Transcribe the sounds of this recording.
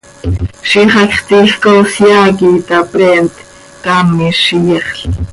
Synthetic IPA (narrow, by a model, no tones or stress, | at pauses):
ʃiχɑkχt̪ixkosjaːkit̪apɾɛːnt̪ | kamiʃijɛχɬ